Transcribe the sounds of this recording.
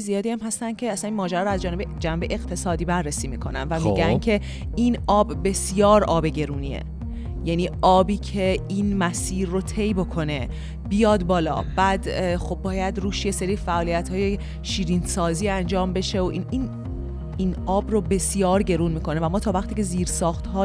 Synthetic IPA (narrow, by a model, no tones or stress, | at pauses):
zijɒːd̪iːæmɦæst̪ænd̪̚cʰe̞æsæninmɒːd͡ʒæɾɒːɾoæzd͡ʒɒːne̞bed͡ʒænbejeɣt̪ʰe̞sɒːd̪iːbærːesiːmiːkʰo̞̰næ̰nvæmiɡæncʰe̞ | ʔinɒːbːe̞sjɒːɾɒːbe̞ɟe̞ɾuːniḛ | jæniːʔɒːbiːcʰe̞inmæsiːɾːot̪ʰe̞jbo̞kʰo̞ne̞ | b̥ijɒːd̪bɒːlɒ̰ːb̥æd̪xo̞bːɒːjæd̪ruːʃje̞se̞ɾiːfæʔɒːlijæt̪ʰhɒːje | ʃiːɾinsɒːziːænd͡ʒɒːmbe̞ʃe̞oʔinin | inɒːbrobe̞sjɒːɾɟe̞ɾuːnmiːkʰo̞ne̞væmɒːt̪ʰɒːvæχt̪iːce̞ziːɾsɒːxt̪hɒː